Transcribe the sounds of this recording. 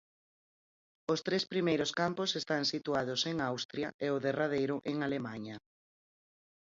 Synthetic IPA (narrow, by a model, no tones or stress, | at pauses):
ost̪ɾespɾimejɾʊskamposest̪aŋsit̪uað̞ʊseŋawst̪ɾjɐʔeʊðerað̞ejɾʊʔeŋalemaɲɐ